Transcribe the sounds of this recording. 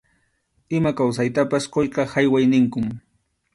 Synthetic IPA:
ɪmakawsajt̪apasqojqɑhajwajnɪŋkʊm

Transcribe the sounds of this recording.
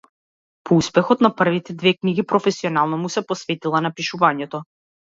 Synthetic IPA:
pʰɔuspɛxɔt̪napr̩vit̪ɛd̪vɛkniɡipɾɔfɛsiɔnalˠnɔmusɛpɔsvɛt̪ilˠanapiʃuvaɲɛt̪ɔ

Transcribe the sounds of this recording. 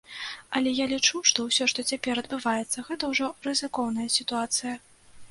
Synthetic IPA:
ɐlʲɛjalʲit͡ʂuʂt̪ɔwsʲɔʂt̪ɔt͡sʲapʲɛɾɐd̪̚bɨvajɛt̪sːɐɣɛt̪ɐwʐɔrɨzɨkɔwn̪ɐjɐsʲit̪uat̪sɨjɐ

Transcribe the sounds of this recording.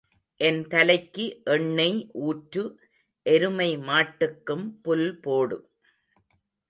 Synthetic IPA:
ʔɛnt̪ɐlɐɪkːɯʔɛɳːɐɪʔuːʈɾɯ | ʔɛɾɯmɐɪmaːʈːɯkːɯmpʊlpoːɽɯ̰

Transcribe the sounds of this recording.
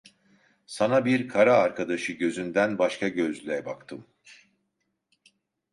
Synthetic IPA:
sanabiɾkʰaɾaːɾkʰad̪aʃɯɟøzynd̪ænbaʃkʰaɟøzlʲɛbakt̪ʰɯm

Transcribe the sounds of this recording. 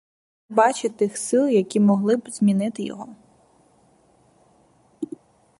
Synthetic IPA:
bɑt͡ʃɪt̪ɪxsɪlˠjɐkʲimɔɦlˠɪbz̥ʲmʲinɪt̪ɪjɔ̰ɦɔ

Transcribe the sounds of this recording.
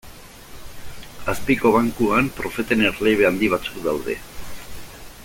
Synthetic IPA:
aspiko̞β̞aŋkuampɾo̞fe̞t̪eneɾleβ̞eand̪iβ̞at͡su̥kd̪awðe̞̰

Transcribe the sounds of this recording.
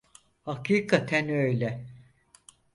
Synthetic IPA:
hakʰiːkʰat̪ʰænøjlʲɛ

